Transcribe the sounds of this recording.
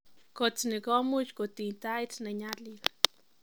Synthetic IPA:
kot͡snekomut͡ʃkot̪int̪ait͡sneɲalid̪

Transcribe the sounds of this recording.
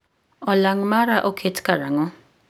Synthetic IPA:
ɔlaŋmaɾaʔokʰetkaɾaŋɔ

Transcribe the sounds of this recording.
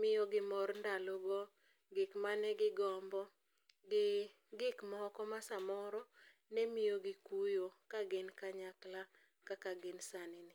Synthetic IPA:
mɪjoɡɪmɔɾndalɔɡɔ | ɡɪkmanɛɡɪɡɔmbɔ | ɡɪ | ɡɪkmɔkɔmasamɔɾɔ | nɛmɪjoɡɪkujokaɡɪnkaɲakla | kakaɡɪnsanɪnɪ

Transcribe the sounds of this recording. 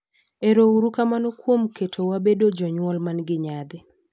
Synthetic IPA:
eɾouɾukamanokwomkʰetʰowabedod͡ʒɔɲwɔlmanɡɪɲad̪ɪ

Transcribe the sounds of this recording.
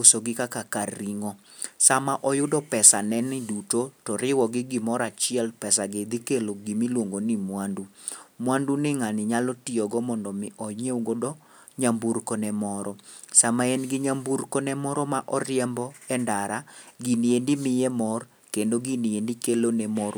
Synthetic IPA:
ʊsoɡɪkakakariŋɔsamaʔɔjʊdɔpɛsanɛnɪdutotɔɾɪwɔɡɪɡɪmɔɾat͡ʃɪɛlpɛsaɡed̪ɪkeloɡimilwoŋɡonɪmwandumwandunɪŋanɪɲalɔtɪjɔɡɔmɔndɔmɪʔɔɲeuɡodɔ | ɲamburkɔnɛmɔɾɔsamaɛnɡɪɲamburkɔnɛmɔɾɔmaʔɔɾɪjɛmbɔɛndaɾaɡiniendɪmɪjɛmɔr | kendoɡiniendɪkelonɛmɔ

